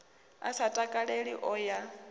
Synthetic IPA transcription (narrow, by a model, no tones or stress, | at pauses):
a̰satʼakʼaɺeɺiʔɔja